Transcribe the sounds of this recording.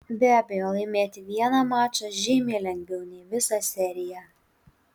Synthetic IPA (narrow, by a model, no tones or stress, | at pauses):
bʲæːbʲɛjoːlˠɐɪmʲeːt̪ʲɪʋʲiɛnɑmɑːt͡ʃʲɐʒʲɪːmʲeːlʲɛŋʲɡʲʋʲɛʊnʲɛːʋʲɪsɑsʲɛɾʲɪjæ